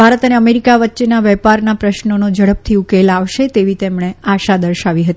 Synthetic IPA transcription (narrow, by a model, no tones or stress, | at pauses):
bʱaɾət̪əneəmeɾikaʋətːʃenaʋɛpaɾnapɾəʃnonod͡ʒəɽəp̚t̪ʰiukelaʋʃet̪eʋit̪emɳeaʃad̪əɾʃaʋiɦət̪i